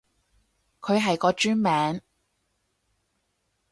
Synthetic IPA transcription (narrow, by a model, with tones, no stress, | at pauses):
kʰɵ˨˧ɥɦɐ˨jkɔː˨˧t͡ʃyː˥nmɛː˨˧˥ŋ